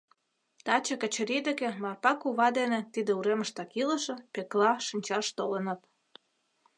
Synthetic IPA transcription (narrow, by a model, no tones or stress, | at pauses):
t̪ɑt͡ɕɤ̆kə̆t͡ɕə̆ɾid̪ĕkĕmɑrpɑkuβɑd̪enĕt̪id̪ĕuɾeməʃt̪ɑkilə̆ʃɤ̆peklɑʃinʲt͡ɕɑʃt̪olənə̆t̪